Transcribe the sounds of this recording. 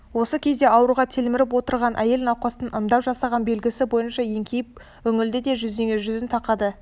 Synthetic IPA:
wo̞səkʲʰe̞zd̪e̞ɑwɾuʁɑt̪ʰelmɪɾɪp̬wo̞t̪əɾʁɑnʔæje̞lɪnɑqːɑst̪ənʔənd̪ɑwʒɑsɑʁɑnbe̞lɡʲɪsɪbo̞jənʃɑje̞ŋkʲʰejɪp | wɵŋɪld̪ɪd̪e̞ʒʏzd̪eŋeʒʏzɪnt̪ʰɑqɑd̪ə

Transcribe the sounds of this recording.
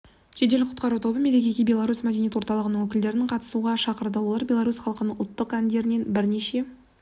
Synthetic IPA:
ʒ̥e̞d̪e̞lɪqʰʊt̪qɑɾut̪ʰo̞bəme̞le̞kʲekʲijbʲe̞lˠaɾusmæd̪enijet̪wo̞ɾt̪ɑlˠəʁənəɴwɵkʲɪld̪e̞ɾɪnɪɴqʰɑt̪ə̥suʁɑʃɑqəɾd̪əwolˠɑɾbʲje̞lˠaɾusχɑlˠəqənəɴʊlˠt̪ːəqænd̪e̞ɾɪne̞nbɪɾne̞ʃe̞

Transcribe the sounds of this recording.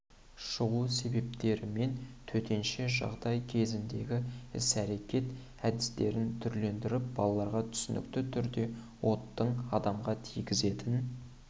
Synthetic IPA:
ʃəʁuse̞be̞p̚t̪e̞ɾɪme̞nt̪ʰɵt̪e̞nʃe̞ʒɑ̰ʁd̪ɑjkʲʰe̞zɪnd̪e̞ɡʲɪɪ̰sæɾe̞kʲe̞t̪ | æd̪ɪst̪e̞ɾɪnt̪ʰʏɾle̞nd̪ɪɾɪp̚bɑlˠɑlˠɑɾʁɑt̪ʰʏ̥sɪnɪ̰kt̪ɪt̪ʰʏɾd̪e̞ | wo̞t̪ːəɴɑd̪ɑmʁɑt̪ʰijɡʲɪze̞t̪ɪn

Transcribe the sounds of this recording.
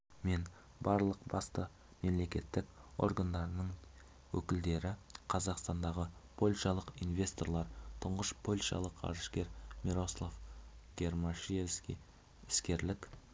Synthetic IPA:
me̞n | bɑɾlˠəqbɑst̪ə | me̞mle̞kʲe̞t̪ːɪko̞̰ɾrɡand̪ɑɾənəɴ | wɵkʲɪld̪e̞ɾɪqʰɑzɑqst̪ɑnd̪ɑʁəpʰo̞lʲʃɑlˠəqinvʲe̞st̪o̞ɾlˠɑɾt̪ʰʊɴʁəʃpʰolʲʃɑ̰lˠəqɑ̰ɾəʃkʲe̞ɾmʲiɾo̞slˠofɡ̥ʲe̞rmaʃiskʲḛ | ɪskʲe̞ɾlɪk

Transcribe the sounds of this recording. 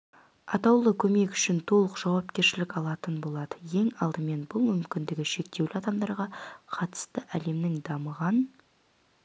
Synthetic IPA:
ɑt̪ɑwlˠəkʲʰɵme̞kʏ̥ʃɪnt̪ʰo̞lˠəqʒ̥ɑwɑpkʲe̞ɾʃɪlɪkɑlˠɑt̪ənbo̞lˠɑd̪əje̞ŋɑlˠd̪əme̞nbʊlˠmʏmkʲɪnd̪ɪɡʲɪʃe̞k̚t̪e̞wlɪɑd̪ɑmd̪ɑɾʁɑqʰɑt̪ə̥st̪əʔæle̞mnɪŋd̪ɑməʁɑn

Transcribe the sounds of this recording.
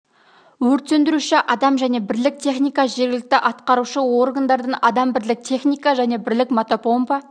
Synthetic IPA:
wɵɾt̪se̞nd̪ɪɾuʃɪʔɑd̪ɑmʒæne̞bɪɾlɪk̚t̪ʰe̞χnijkɑʒe̞ɾɡʲɪlɪk̚t̪ɪʔɑt̪qɑɾuʃəwo̞rɡand̪ɑɾd̪ənɑd̪ɑmbɪɾlɪk̚t̪ʲʰe̞χnijkɑʒæne̞bɪɾlɪkmot̪opo̞mpɑ

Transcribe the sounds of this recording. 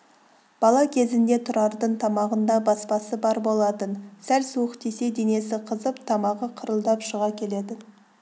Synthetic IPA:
b̥ɑlˠɑkʲʰe̞zɪnd̪e̞t̪ʰʊɾɑɾd̪əɴt̪ʰɑmɑʁənd̪ɑbɑspɑsəbɑɾbo̞lˠɑt̪ənsælsuəqt̪e̞se̞d̪e̞ne̞sɪqʰəzəpt̪ʰɑmɑʁəqʰəɾəlˠd̪ɑpʃəʁɑkʲʰe̞le̞d̪ɪ

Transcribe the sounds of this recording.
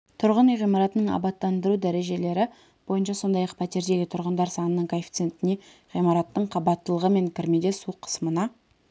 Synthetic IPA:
t̪ʰʊɾʁənijʁijmɑɾɑt̪ənəɴɑ̰bɑt̪ːɑnd̪əɾud̪æɾe̞ʒe̞le̞ɾɪ | b̥o̞jənʃɑso̞nd̪ɑjɑqpʰæt̪e̞ɾd̪e̞ɡʲɪt̪ʰʊɾʁənd̪ɑɾsɑnənəɴkʰolfi̥t̪se̞nt̪ɪne | ʁijmɑɾɑt̪ːəɴqʰɑbɑt̪ːəlˠəʁəme̞ŋkʲʰɪɾmed̪e̞suqʰːə̥səmənɑ

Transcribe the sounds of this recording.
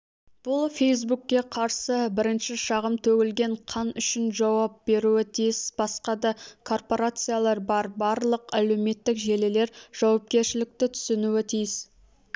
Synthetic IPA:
b̥ʊlˠfʲe̞js̬bukʲːe̞qʰɑɾsəbɪɾɪnʃɪʃɑʁəmt̪ʰɵɡʲɪlɡʲe̞ɴqʰɑnʏʃɪnʒɑwɑp̚be̞ɾuɪt̪ʰijɪsb̥ɑsqɑd̪ɑkʰo̞rpo̞ɾat̪sɨjalˠɑɾbɑɾbɑɾlˠəqæle̞wme̞t̪ːɪkʒe̞lele̞ɾʒ̥ɑwɑp̚kʲe̞ɾʃɪlɪk̚t̪ɪt̪ʰʏ̥sɪnuɪt̪ʰijɪs

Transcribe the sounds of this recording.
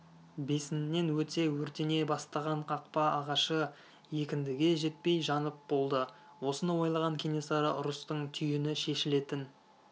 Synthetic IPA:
be̞sɪnnːe̞nwɵt̪e̞wɵɾt̪ene̞bɑst̪ɑʁɑɴqʰɑq̚pɑɑʁɑʃə | je̞kʲɪnd̪ɪɡʲe̞ʒe̞t̪̚pe̞jʒɑnəp̚bo̞lˠd̪ə | wo̞sənɑwo̞jlˠɑʁɑŋkʲʰe̞ne̞sɑɾə̰ʔʊɾʊst̪əɴt̪ʰʏjɪnɪʃe̞ʃɪle̞t̪ɪn

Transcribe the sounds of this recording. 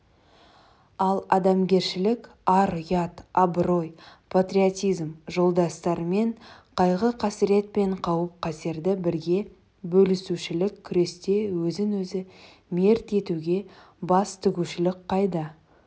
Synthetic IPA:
ɑlˠɑd̪ɑmɡʲe̞ɾʃɪlɪkʲ | ɑɾjɑt̪abɾo̞jpʰat̪rʲiot̪ʲijzmʒo̞lˠd̪ɑst̪ɑɾme̞ɴqʰɑjʁəqʰɑsɪɾe̞t̪̚pe̞ɴqʰɑwəp̚qʰɑseɾd̪ɪbɪɾɡʲe̞ | bɵlɪsuʃɪlɪkʲʰːʏɾe̞st̪e̞wɵzɪnwɵzɪ | me̞ɾt̪e̞t̪uɡʲe̞ | bɑst̪ʰʏɡʲuʃɪlɪk̚qʰɑjd̪ɑ

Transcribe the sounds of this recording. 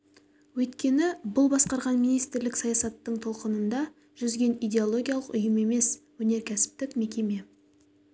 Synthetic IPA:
wɵt̪kʲe̞nɪbʊlˠbɑsqɑɾʁɑnmijnijst̪ɪɾlɪksɑjɑsɑt̪ːəɴt̪ʰo̞lˠqənənd̪ɑ | ʒʏzɡʲe̞nijd̪ʲe̞o̞lˠo̞ɡʲijalˠəqʊjəme̞me̞swɵne̞ɾkʲʰæsɪ̥p̚t̪ɪkme̞kʲe̞me̞

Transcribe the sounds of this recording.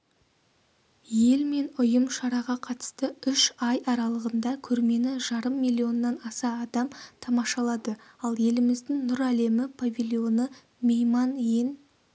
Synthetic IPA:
je̞lme̞nʊjəmʃɑɾɑʁɑqʰɑt̪ə̥st̪əʏʃɑjɑɾɑlˠəʁənd̪ɑkʲʰɵɾme̞nɪʒɑɾəmːijlʲˠːio̞nːɑnɑsɑːd̪ɑmt̪ʰɑmɑʃɑlˠɑd̪əɑlˠje̞lɪmɪzd̪ɪŋnʊɾæle̞mɪpʰavʲilʲˠio̞nə | mejmɑnjen

